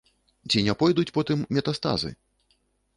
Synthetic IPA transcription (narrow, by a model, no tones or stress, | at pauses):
t͡sʲinʲɛpɔjd̪ut͡sʲpɔt̪ɨmːʲɛt̪ast̪a̰zɨ̰